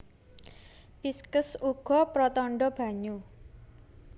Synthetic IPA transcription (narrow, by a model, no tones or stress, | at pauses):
piskəsuɡ̥ɔ̤pɾɔt̪ɔɳɖɔb̥a̤ɲu